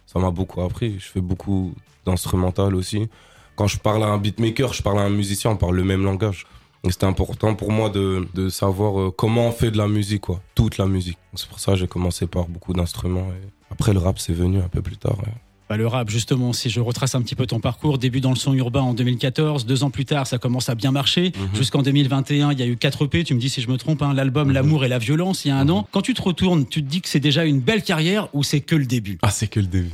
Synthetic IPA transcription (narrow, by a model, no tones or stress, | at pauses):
samabokʰuapχiʒəfɛbokʰu | d̪̥ɛ̃st̪χymɑ̃t̪alosi | kɑ̃ʒəpaʁlaɛ̃bit̪mekʲœʁʒəpaʁlaɛ̃myzisjɛ̃ɔ̃paʁlːəmɛmlɑ̃ɡaʒ | ese̥t̪ɛɛ̃pɔʁt̪ɑ̃puʁmwad̪əd̪əsavwaʁøkɔmɑ̃ɔ̃fɛd̪əlamyzikːwat̪ut̪lamyzik̚d̪ɔ̃ksɛ̥puʁsakʒekɔmɑ̃sepaʁbokʰud̪ɛ̃st̪χymɑ̃e | apχɛləʁapsɛvənyɛ̃pøplyt̪a̰ːʁwɛ̰ | b̥aləʁapʒyst̪əmɑ̃siʒəʁət̪χasɛ̃pət̪ipøt̪ɔ̃paʁkuʁd̪ebyd̪ɑ̃ləsɔ̃yʁbɛ̃ɑ̃d̪ømilkat̪ɔʁzd̪øzɑ̃plyt̪aʁsakɔmɑ̃sabjɛ̃maʁʃeʒyskɑ̃d̪ømilvɛ̃t̪eɛ̃iljaykat̪χəpet̪yməd̪isiʒəmət̪χɔ̃pɛ̃lalbɔmlamuʁɛlavjɔlɑ̃sijaɛ̃nɑ̃kɑ̃t̪yt̪əʁət̪uʁnt̪yt̪əd̪ikə̥sɛd̪eʒaynbɛlkaʁjɛʁusɛkələd̪ebyasɛkələd̪eby